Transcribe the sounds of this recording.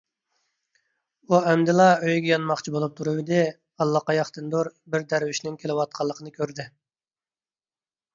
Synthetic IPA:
uɛmd̪ɪlˠɑøjɡʲɛjɑnmɑχt͡ʃʰibolˠup̚t̪ʰuɾuwɪd̪ɪ | ɑlˠːɑqɑjɑχt̪ɨnd̪oɾbɪɾd̪æɾwyʃnɪŋkʲʰelɪwɑt̪̚qʰɑlˠːəqʰənɨkʲʰøɾd̪ɪ

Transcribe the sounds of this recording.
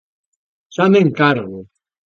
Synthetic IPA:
sameŋkaɾɣu

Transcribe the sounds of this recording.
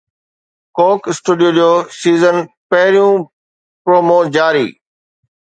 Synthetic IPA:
koːkɪsʈuːɖijoːd͡ʑioːsiːzən | pɐɦɪɾijũ | pɾoːmoːd͡ʑaːɾḭː

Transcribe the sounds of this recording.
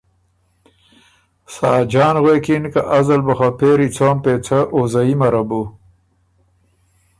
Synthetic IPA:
sɑːd͡ʒɑːnɣweːkinkaʔazɐlbɐxapeːɾit͡sʰoːmpeːt͡sʰaʔozaimɐɾabu

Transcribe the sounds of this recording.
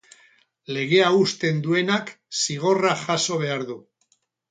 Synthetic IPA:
le̞ɣ̞e̞aust̪e̞nd̪ue̞nak | siɣ̞o̞raʝaso̞β̞e̞aɾðu

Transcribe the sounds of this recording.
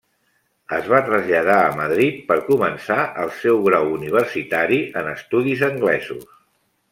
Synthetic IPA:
əzβat̪ɾəzʎəðaəməð̞ɾit̪̚pəɾkumənsaʔəlˠsɛwɣɾawuniβ̞əɾsit̪aɾiʔənəst̪uðizəŋɡlɛzus

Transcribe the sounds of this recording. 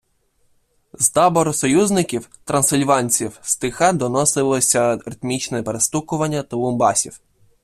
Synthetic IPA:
zt̪ɑbɔɾɔsɔjuznɪkʲiwt̪ɾɐnsɪlʲʋɑnʲt͡sʲiwst̪ɪxɑd̪ɔnɔsɪlˠɔsʲɐɾɪt̪mʲit͡ʃnɛɛpeɾest̪ukʊʋɐnʲːɐt̪ɔlˠɔmbɑsʲiw

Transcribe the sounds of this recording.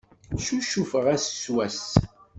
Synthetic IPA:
ʃuʃufəʁæsswæs

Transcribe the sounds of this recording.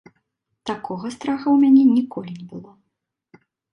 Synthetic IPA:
t̪akɔɣɐst̪ɾaxɐwmʲanʲɛnʲikɔlʲinʲɛbɨlˠɔ

